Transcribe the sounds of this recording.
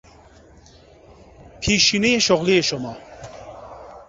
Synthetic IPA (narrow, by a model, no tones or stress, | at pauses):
pʰiʃinejeʃoʁlijeʃomɑː